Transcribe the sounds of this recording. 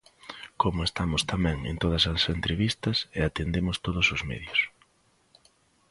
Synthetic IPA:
komʊest̪amʊst̪amɛ̃ŋḛnt̪oð̞ɐsɐsent̪ɾeβist̪ɐseat̪end̪emʊst̪oð̞ʊsʊzmḛðjʊs

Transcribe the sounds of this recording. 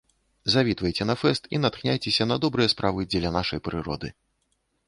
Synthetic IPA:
zavʲit̪vɐjt͡sʲɛnɐfɛst̪ḭnat̪xnʲajt͡sʲesʲɐnɐd̪ɔbɾɨjɐspɾʔavɨd͡zʲɛlʲɐnaʂɐjpɾɨɾɔ̰d̪ɨ

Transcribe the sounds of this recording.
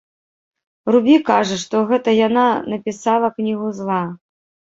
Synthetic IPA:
rubʲikaʐɐʂt̪ɔɣɛt̪ɐjananɐpʲisalˠɐknʲiɣuzlˠa

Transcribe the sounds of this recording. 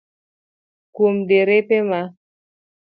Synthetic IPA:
kumdeɾepema

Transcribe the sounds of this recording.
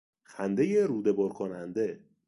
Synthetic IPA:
xænd̪ejeɾuːd̪ebɒɾkʰonænd̪e

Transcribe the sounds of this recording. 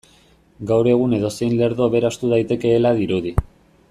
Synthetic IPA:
ɡawɾe̞ɣ̞une̞ð̞o̞se̞jnle̞ɾðo̞ːβe̞ɾast̪uðajt̪e̞ke̞ːlaðiɾuði

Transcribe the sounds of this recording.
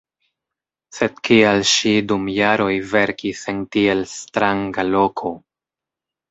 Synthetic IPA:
se̞d̚kialʃidumjaɾo̞jve̞ɾkisentie̞lstɾaŋɡalo̞kʰo̞

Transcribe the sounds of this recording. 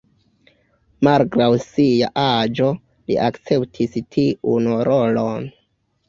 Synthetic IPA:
malɡɾawsijaʔad͡ʒo̞ | lḭʔakt͡se̞ptʰistʰiunɾolon

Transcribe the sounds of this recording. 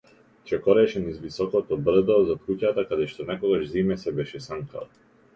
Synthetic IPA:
t͡ʃɛkɔɾɛʃɛnizvisɔkɔt̪ɔbr̩d̪ɔzat̪̚kucat̪akad̪ɛʃt̪ɔnɛkɔɡaʒzimɛsɛbɛʃɛsaŋkʰa̰

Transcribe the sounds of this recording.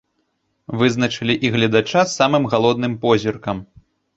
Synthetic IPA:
vɨznɐt͡ʂɨlʲiʔiɣlʲɐd̪at͡ʂasːamɨmɣalˠɔd̪nɨmpɔzʲirkɐm

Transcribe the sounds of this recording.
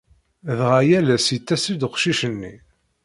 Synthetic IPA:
ðʁæjælæsit̪ːæsid̪qʃiʃənːi

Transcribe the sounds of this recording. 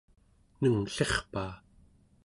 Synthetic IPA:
nəŋɬe̞χpaː

